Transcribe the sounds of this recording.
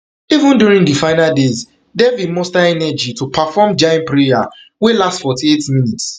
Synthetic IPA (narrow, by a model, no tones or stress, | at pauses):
ivũnduɹĩŋdifãɪnaldez | dɛvidmɔstaɛnɛd͡ʒitʰupʰafɔmd͡ʒãnpɹija | welastfɔtietmĩnits